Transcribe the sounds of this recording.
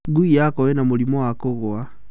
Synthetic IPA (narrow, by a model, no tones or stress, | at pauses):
ɡuijakɔwɛnamulimɔwakoɣoa